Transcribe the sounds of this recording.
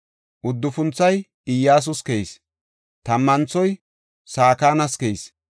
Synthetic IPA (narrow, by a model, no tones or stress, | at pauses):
ʔʊd̪ːʊfʊnt͡sːɐj | ɪjːaːs̬ʊskɛis | t̪ɐmːɐnt͡sːɔj | saːkaːnɐskɛjs